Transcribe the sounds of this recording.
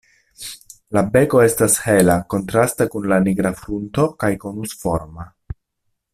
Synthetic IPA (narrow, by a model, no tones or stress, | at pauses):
labe̞ko̞e̞stashe̞lako̞ntɾastakunlaniɡɾafɾunto̞kajkonusfo̞ɾma